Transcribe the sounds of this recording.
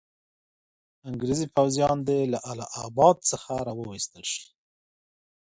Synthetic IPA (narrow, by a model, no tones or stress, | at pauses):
aŋɡɾezipawzjɑnd̪elaʔalɑʔabɑd̪̚t͡səxaɾɑwəwist̪əlʃi̥